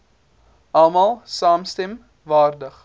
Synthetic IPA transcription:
ʔɑlˠmɑlˠsɑːmstɛm | vɑːrdəχ

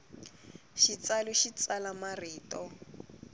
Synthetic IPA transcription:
ʃit͡salɛʃit͡salamariːtʼɔ

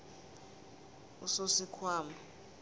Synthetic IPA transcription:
usosikʰwaːma

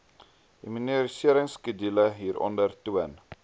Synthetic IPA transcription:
diminiəɾisiəɾəŋskədiləɦiːɾʔɔ̰ndərtuən

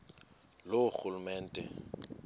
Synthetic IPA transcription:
loχulumɛːn̩tʼɛ̰

